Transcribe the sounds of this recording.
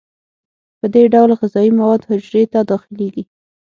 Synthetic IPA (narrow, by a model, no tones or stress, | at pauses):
pəd̪eɖawlɣɪzɑimawɑd̪hʊd͡ʒɾet̪ad̪ɑxɪleɡi